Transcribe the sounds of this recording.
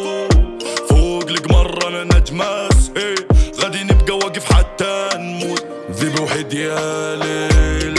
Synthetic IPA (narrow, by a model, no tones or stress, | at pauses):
foːɡlɪɡmɑrˤːɑmɪnad͡ʒ̪masheɣad̪inɪb̚ɡawaɡɪfħat̪ːanmu | ðiluħid̪jalɪ